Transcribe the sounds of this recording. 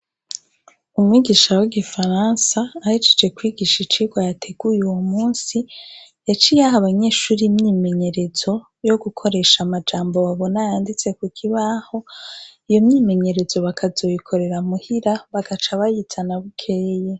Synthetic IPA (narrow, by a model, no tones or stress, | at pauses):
umŋiːɡiʃawiɡifaɾansaːhid͡ʒed͡ʒe̞kwiːɡiʃit͡ʃiːɡwajatʰe̞ɡ̥ujuwomuːnsijat͡ʃijaɦaβaɲe̞ːʃuːɾimɲiːme̞ɲe̞ɾe̞zo̞ | jo̞ɡukʰo̞ɾe̞ʃamad͡ʒaːmbo̞βaβo̞najaːndit͡se̞kukʰiβaho̞ijo̞mɲiːme̞ɲe̞ɾe̞zo̞βakʰazo̞jikʰo̞ɾe̞ɾamuhiɾaβaɡat͡ʃaβajit͡sanaβukʰeːje